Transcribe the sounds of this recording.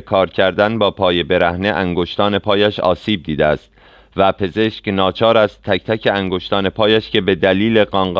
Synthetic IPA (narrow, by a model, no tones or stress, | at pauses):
kʰɒːɾcʰæɾd̪ænbɒːpʰɒːje̞be̞ɾæhneʔæŋɡoʃt̪ɒːne̞pʰɒːjæʃɒ̰ːsiːb̚d̪iːd̪eæst̪ | væpʰe̞ze̞ʃcnɒːt͡ʃʰɒːɾæst̪ʰːæct̪ʰæcʰeæŋɡo̞ʃt̪ɒːne̞pʰɒːjæʃcʰe̞be̞d̪æliːleɢɒŋɢ